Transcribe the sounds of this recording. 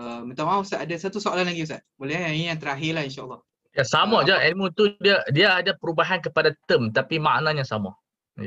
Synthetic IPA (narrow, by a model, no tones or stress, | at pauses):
əmə̃nt̪amasaʔadasat̪usoalanlaɡius̬aʔbolɛijaŋt̪əɾaɦɪlahinʃaːlːɑh | jasamɔʔd͡ʒaɛlmut̪udiadiaːdapəɾubaɦankəpadat̪əmt̪apima̰ʔnaɲãsa̰mɔ̰ʔ | ja